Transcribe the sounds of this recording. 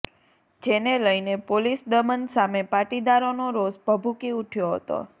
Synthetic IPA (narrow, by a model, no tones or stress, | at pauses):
d͡ʒeneləjnepolisd̪əmənsamepaʈid̪aɾonoɾosbʱəbʱukiuʈʰjoɦə̰t̪o̰